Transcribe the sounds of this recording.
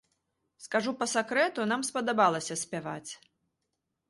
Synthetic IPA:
skaʐupɐsakɾɛt̪unamspɐd̪abalˠɐsʲɐsʲpʲava̰t͡sʲ

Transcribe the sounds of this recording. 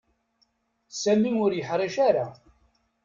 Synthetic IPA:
sæmimʊɾjəħɾˤiʃaɾa

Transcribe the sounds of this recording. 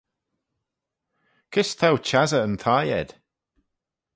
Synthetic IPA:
kʰɪst̪ʰawt͡ʃʰazəənt̪ʰajɛ̰d̪̥

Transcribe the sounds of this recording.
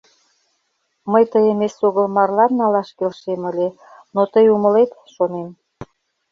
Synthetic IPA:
məjt̪əjə̆mesoɣəlmɑrlɑnːɑlɑʃkelʃeməlʲe | not̪əjuməlet̪ʃonem

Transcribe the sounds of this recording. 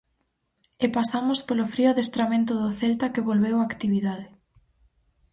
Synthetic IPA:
epasamʊspolʊfɾioðest̪ɾamẽnt̪ʊðʊθelt̪akeβolβewakt̪iβiðað̞ɪ

